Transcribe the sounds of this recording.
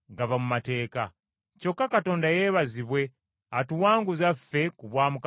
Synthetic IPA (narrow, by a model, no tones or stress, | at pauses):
ɡavamumate̞ːka | co̞kːakato̞ːndajeːβaziβwe̞ | atuwaːŋɡuzafe̞kuβwaːmuk